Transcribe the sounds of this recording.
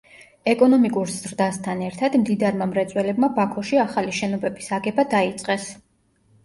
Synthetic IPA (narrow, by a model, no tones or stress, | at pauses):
ɛkʼɔnɔmikʼuɾz̥ɾd̪ast̪ʰanɛɾt̪ʰad̪md̪id̪aɾmamɾɛt̪sʼwɛlɛbmabakʰɔʃiaχaliʃɛnɔbɛbisaɡɛbad̪ait̪sʼqʼɛs